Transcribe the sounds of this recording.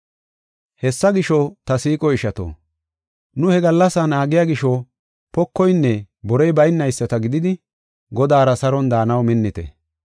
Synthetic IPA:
hɛsːɐɡɪʃɔt̪ɐsiːkʼɔɪʃɐt̪o̰ː | nʊhɛɡɐlːɐsɐnaːɡɪjaːɡɪʃɔ | pɔkːɔjnːɛ | bɔɾɛjbɐjnːɐjsːɐt̪ɐɡɪd̪ɪd̪ɪ | ɡɔd̪aːɾɐsɐɾɔnd̪aːnɐwmɪnːɪt̪ɛ̰

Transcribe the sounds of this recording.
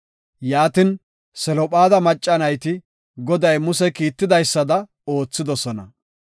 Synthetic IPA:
jaːt̪ɪn | sɛlɔpʼaːd̪ɐmɐt͡ʃʼːɐnɐjt̪ɪ | ɡɔd̪ɐjmʊsɛkiːt̪ːɪd̪ɐjsːɐd̪ɐ | oːt͡sːɪd̪ɔsɔnɐ

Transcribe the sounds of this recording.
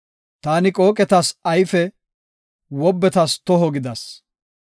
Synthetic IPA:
t̪aːnɪkʼo̞ːkʼɛt̪ɐsɐjfɛ | wɔbːɛt̪ɐst̪ɔɦɔɡɪd̪ɐs

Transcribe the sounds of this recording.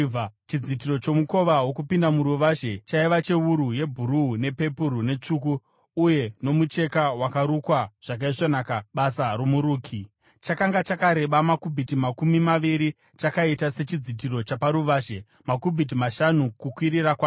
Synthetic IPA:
t͡ʃid͡zit̬irot͡ʃo̞muko̞ʋaɦwo̞kupindamuɾuʋaʒe̞t͡ʃaiʋat͡ʃe̞uɾuje̞bʱuɾuune̞pe̞puɾune̞t͡ʂukuː | je̞no̞mut͡ʃe̞kawakaɾukwaʐ̥akaiʐonaːkaɓasaɾomuɾuːkʰi | t͡ʃakaŋɡat͡ʃakaɾe̞ɓamakubʱitimakumimaʋiɾi | t͡ʃakaitase̞t͡ʃid͡zit̬iɾo̞t͡ʃapaɾuʋaːʒe̞ | makubʱit̬imaʃanukukwiɾirakwa

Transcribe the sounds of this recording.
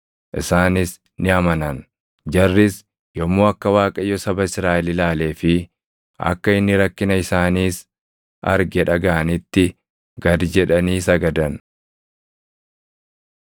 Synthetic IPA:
ʔɪsaːnɪs | nɪɐmɐnɐn | d͡ʒɐrːɪs | jɔmːoːɐkːɐwaːkʼɐjːɔsɐbɐɪsɾaːʔɛlɪlaːle̞ːfɪ | ɐ̰kːɐɪnːɪɾɐkːɪnɐɪsaːniːs | ɐ̰ɾɡɛᶑɐɡɐʔɐnɪt̪ːɪ | ɡ̥ɐd̪d͡ʒɛᶑɐniːsɐɡɐd̪ɐn

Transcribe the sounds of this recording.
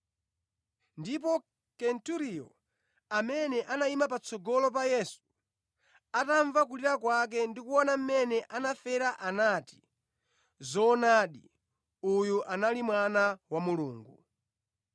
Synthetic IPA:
ndip̬ɔ | kɛntuɾijɔ | amɛnɛʔanaimap̬at͡sɔɡɔlɔp̬ajɛsu̥ | ataɱvak̬uliɾakwak̬ɛndikuwɔnam̩mɛnɛʔanafɛɾaʔanati̥ | zɔnaːɗḭ | ujuʔanalimwanawamuluːŋɡu

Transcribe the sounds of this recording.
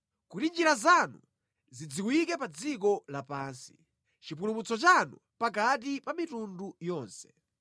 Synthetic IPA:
kuɾind͡ʒiɾazanṵ | zid͡ziwikɛpad͡zikɔlapaːnsi̥ | t͡ʃip̬ulumut͡sɔt͡ʃanṵ | pak̬at̬ipamitundujɔːnsɛ̥

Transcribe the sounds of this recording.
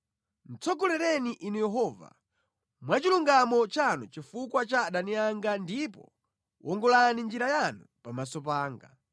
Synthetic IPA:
n̩t͡sʰɔkulɛɾɛniʔinujɛɦɔːva̰ | mwat͡ʃiluŋɡamɔt͡ʃanṵt͡ʃifukwat͡ʃaɗaniaŋɡandipɔ | wʔɔŋɡɔlanind͡ʒiɾajanu | pamasɔpaːŋɡa̰

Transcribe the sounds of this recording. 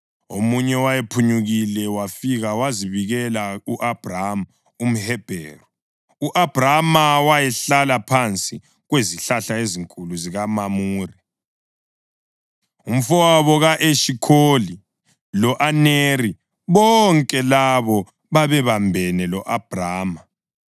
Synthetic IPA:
omuɲɛwajepʰuɲuɣilɛwafiɣawaziβiɣɛlauʔab̥ram | um̩hɛb̥ʱɛ̰ːru | uʔab̥ʱramawajɛɬalapʰant͡sʼi | ɣweziɬaɬaeziŋkʼuluziɣamamuːri | um̩fɔwaβɔɣaʔeʃikʰoli | lɔʔaneri | βɔŋkʼɛlaβɔ | βaβɛβambʱɛnɛlɔʔab̥ʱraːma

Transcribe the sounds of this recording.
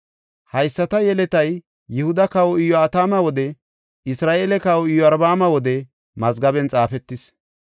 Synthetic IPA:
hɐjsːɐt̪ɐjɛlɛt̪ɐjː | ɪhʊd̪ɐkɐwɔɪjɔɐt̪aːmɐwɔd̪ɛ | ɪsɾaːʔeːlɛkɐwɔɪjːɔɐɾbaːmɐwɔd̪ɛ | mɐzɡɐbɛnt͡sʼaːfɛt̪ːɪs

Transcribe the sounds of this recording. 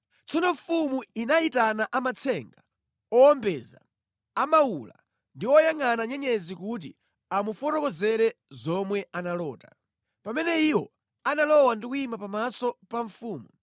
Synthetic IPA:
t͡sʰɔnɔɱfumuinaitanaʔamat͡sʰɛŋɡa | ɔɔmbɛza̰ | amawula̰ | ndiwɔjaŋanaɲɛɲɛzikut̬ḭ | amufɔtɔkɔzɛɾɛzɔmwɛanalɔːta | pamɛnɛiwɔ | analɔwandikuimapamasɔpaɱfuːmu

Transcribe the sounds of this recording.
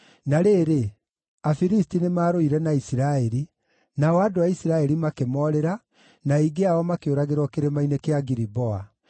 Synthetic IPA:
naɾeːɾe | afiɾistinemaːɾoiɾɛnaisiɾaɛɾi | naɔadoaisiɾaɛɾimakemɔɾɛɾa | naiɡeaɔmakeoɾaɣeɾwɔkeɾemainekeaɡiɾibɔa

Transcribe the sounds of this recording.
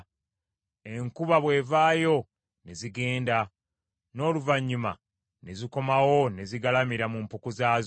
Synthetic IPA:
e̞ŋkuβaβwe̞ːvaːjo̞ | neziɡe̞ːnda | no̞ːluvaɲːuma̰ | neziko̞mawo̞ne̞ziɡalamiɾamumpukuzaːz

